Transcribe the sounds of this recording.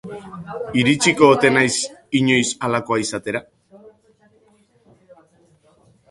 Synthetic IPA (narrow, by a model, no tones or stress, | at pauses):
iɾit͡ʃiko̞ːt̪e̞najsiɲo̞jsalako̞aisat̪e̞ɾa